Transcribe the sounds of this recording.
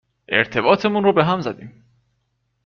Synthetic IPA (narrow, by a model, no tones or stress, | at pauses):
ʔe̞̰ɾt̪ʰe̞bɒːt̪ʰemunɾobeɦæmzæd̪iːm